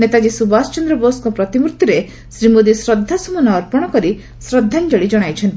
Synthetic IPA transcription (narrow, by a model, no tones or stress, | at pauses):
net̪ad͡ʒisubast͡ʃɔnd̪ɾɔboskɔpɾɔt̪imuɾt̪iɾe | sɾimod̪isɾɔd̪ʱːasumɔnɔːɾpɔɽ̃ɔkɔɾi | sɾɔd̪ʱːand͡ʒɔɽid͡ʒɔɽ̃ajt͡ʃʰɔnt̪i